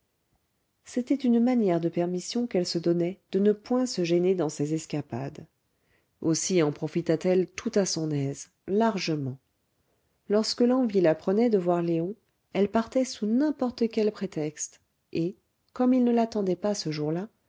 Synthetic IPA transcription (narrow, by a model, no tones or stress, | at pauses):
set̪ɛt̪ynmanjɛʁd̪əpɛʁmisjɔ̃kɛlsəd̪ɔnɛd̪̥ənəpwɛ̃səʒɛned̪ɑ̃sezɛskʲapa̰d̪ | osiɑ̃pχɔfit̪at̪ɛlt̪ut̪asɔ̃nɛz | laʁʒəmɑ̃ | lɔʁskəlɑ̃vilapχənɛd̪əvwaʁleɔ̃ | ɛlpaʁt̪ɛsunɛ̃pɔʁt̪əkʲɛlpχet̪ɛkst̪ | e | kɔmilnəlat̪ɑ̃d̪ɛpasəʒuʁla